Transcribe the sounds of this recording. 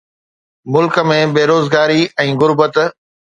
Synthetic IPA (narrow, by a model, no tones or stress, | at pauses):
mʊlkə̆mẽbeːɾoːzɡaːɾiʔɛ̃ːɣʊɾbət̪